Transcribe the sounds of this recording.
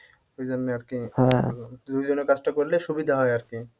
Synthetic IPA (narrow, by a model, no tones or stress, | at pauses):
ojd͡ʑonːeaɾkĩ | d̪ujd͡ʑonekad͡ʑʈakoɾleʃubid̪ʱaɦɔeaɾki